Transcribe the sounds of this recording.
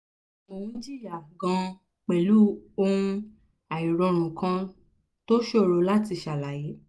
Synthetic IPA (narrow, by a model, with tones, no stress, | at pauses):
mõ˨ĩ˦d͡ʒi˦ɾi˦a˨ɡã˧˦ | k͡pɛ˨lu˨˦o˦ũ˧˦ | a˨i˨ɾɔ˧ɾ̃ũ˨kã˧˦ | to˦ʃo˦˨ɾo˧˦la˦ti˧ʃa˨la˨ji˨˦